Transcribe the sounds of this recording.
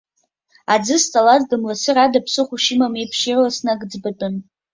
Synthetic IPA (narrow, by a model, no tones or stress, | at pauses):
ad͡zɨst͡sʼalazdɨmlasɨradapʰsɨχʷuʃɪmamipʰʃirlasnaɡd͡zbɨtʼɨn